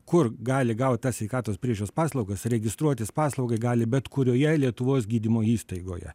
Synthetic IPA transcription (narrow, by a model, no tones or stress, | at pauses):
kʊrɡɑːlʲɪɡɐʊt̪̚ʲt̪ɐsʲʋʲɛɪkɑːt̪oːspʲɾʲiɛʒʲʊoːspɑːslˠɒʊɡɐsɾʲɛɡʲɪst̪ɾuɔt̪ʲɪspɑːslˠɐʊɡɐɪɡɑːlʲɪbʲɛt̪kʊɾʲoːjɛlʲiɛt̪ʊʋoːsɡʲiːd̪ʲɪmoːiːst̪ɐɪɡo̰ːjɛ̰